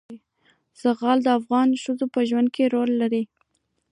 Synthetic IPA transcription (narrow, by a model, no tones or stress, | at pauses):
z̥aɣɑld̪əafɣɑnʃəzopəʒwand̪̚kʰeɾolːaɾi